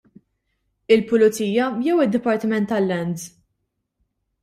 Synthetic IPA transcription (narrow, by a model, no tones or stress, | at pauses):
ɪlpʊlʊt͡siːjɐjɛwɪd̪ːɪpɐɾt̪ɪmɛnt̪ːɐlːɛnd̪